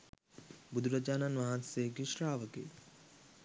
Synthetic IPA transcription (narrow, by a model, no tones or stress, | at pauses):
bud̪ʱuɾɐd͡ʒaːnanʋaɦanseɡiʃɾaːʋəkḛː